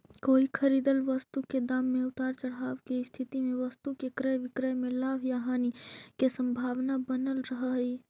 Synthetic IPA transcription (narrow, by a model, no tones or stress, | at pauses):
koːikʰɐɾiːd̪əlʋɐst̪uked̪aːmːẽʊt̪aːɾt͡ʃɐɽ̤aːʋɡeist̪ʰɪt̪imẽʋɐst̪ukekɾəjʋɪkɾəjmẽlaːʋjaɦaːnikesɐ̃mbʱaːʋnabɐnəlɾɐɦəɦi